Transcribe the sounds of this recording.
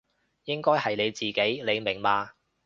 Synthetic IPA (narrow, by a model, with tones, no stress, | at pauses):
jɪ˥ŋkɔː˥jhɐ˨jne˨˧jt͡siː˨˩ke˨˥jle˨˧jmɪ˨˩ŋmaː˧